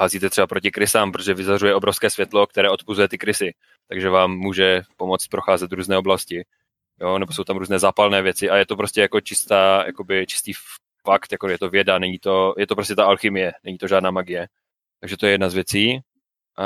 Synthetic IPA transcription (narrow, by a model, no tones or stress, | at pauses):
haziːt̪ɛt̪rɛbapɾocɪkɾɪsaːmpɾot̪oʒɛvɪzarujɛʔobɾo̞fskɛːsvjɛt̪lo̞k̚t̪ɛɾɛːo̞t̪puzujɛt̪ɪkɾɪsɪ | t̪aɡʒɛvaːmːuːʒɛpo̞mo̞t͡st̪̚pɾoxaːzɛt̪ɾuːznɛːoblascɪ | jonɛboso̞wt̪amɾuːznɛːzaːpalnɛːvjɛt͡sɪʔajɛt̪op̬ɾo̞scɛjako̞t͡ʃɪst̪aːjʔa̰ko̞bɪt͡ʃɪ̥st̪iː | fakt̪jakojɛt̪o̞vjɛdanɛɲit̪ojɛt̪opɾos̬cɛt̪aʔalxɪmɪjɛnɛɲit̪o̞ʒaːdnaːmaɡɪjɛ | t̪aɡʒɛt̪o̞jɛjɛdnazvjɛt͡siː | ʔa